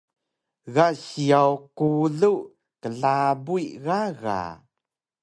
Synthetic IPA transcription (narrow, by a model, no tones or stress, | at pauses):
ɣaɕiawkuɮuʔ | kəɮabujɣaɣa̰